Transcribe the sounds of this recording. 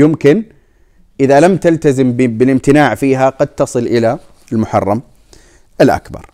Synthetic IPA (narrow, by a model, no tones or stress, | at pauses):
jɪmkɪn | ʔɪðalamt̪alt̪azɪmbbɪlɪmt̪ɪnaːʕfiːɦaqɑd̪̚t̪ɑsˤɨlʔɪla | ɪlmʊħɑ̰rˤːɑm | ʔɪlʔa̰kbɑ̰ɾˤ